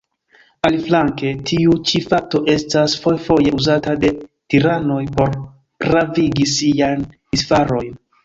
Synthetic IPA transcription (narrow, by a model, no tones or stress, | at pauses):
aliflaŋke̞tʰiut͡ʃifak̚to̞ʔe̞stasfo̞jfo̞je̞uzatade̞tiɾano̞jpo̞ɾ | pɾaviɡisijan | isfaɾo̞jn